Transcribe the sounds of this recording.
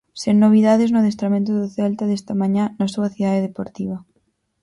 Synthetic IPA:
seŋnːoβ̞iðaðeznʊðest̪ɾamẽnt̪ʊðeθɛlt̪aðest̪amãɲanasuaθiðaðeðepoɾt̪iβ̞ɐ

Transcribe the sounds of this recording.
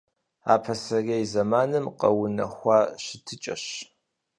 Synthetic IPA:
a̰ːpʰɐsɐrejzɐmaːnɨmqɐ̰wʊnɐ̰xʷɑːɕɪtʰɨt͡ʃʼɐ̰ɕ

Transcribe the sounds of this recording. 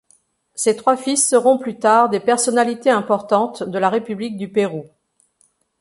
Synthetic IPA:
set̪χwafisːəʁɔ̃plyt̪aʁd̪epɛʁsɔnalit̪eɛ̃pɔʁt̪ɑ̃t̪d̪əlaʁepyblik̚d̪ypeʁu

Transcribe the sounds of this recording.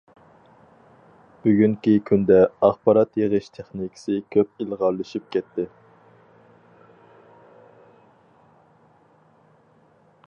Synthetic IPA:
b̥yɡʲyŋkʲikʲʰynd̪ɛɑχpɑɾɑt̪jeʁɨʃt̪ʰeχnikʰʲɪ̥sɪkʲʰøp̚ilʁɑɾlˠɨʃyp̚kʲʰɛt̪ʰːɪ

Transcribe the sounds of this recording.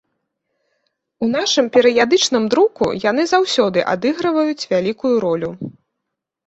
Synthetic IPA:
un̪aʂɨmpʲɛɾɨjad̪ɨt͡ʂnɨmd̪ɾukṵjan̪ɨzawsʲɔd̪ɨʔa̰d̪ɨɣɾɐvɐjut͡sʲvʲalʲikujuɾɔlʲu

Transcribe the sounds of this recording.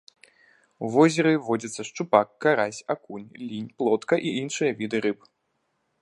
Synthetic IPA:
uvɔzʲɛɾɨvɔd͡zʲɐt̪sːɐʂt͡ʂupakːaɾasʲakunʲlʲinʲplˠɔt̪kɐʔiinʂɨjɐvʲid̪ɨɾɨp

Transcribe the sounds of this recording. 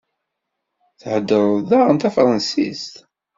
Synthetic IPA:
θħəd̪ːəɾˤðæʁənt̪æfɾˤɑnsḭst̪

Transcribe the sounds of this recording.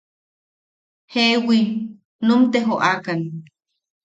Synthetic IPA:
hewi | numt̪eɦoʔakan

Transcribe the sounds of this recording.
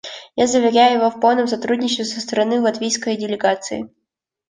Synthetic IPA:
jazəvʲɪɾʲæjʊjɪvofpolˠnəms̬ɐt̪ɾudʲnʲɪt͡ɕɪst̪vʲɪsəst̪əɾɐnɨlˠɐt̪vʲijskəjdʲɪlʲɪɡat̪sɨɪ̰

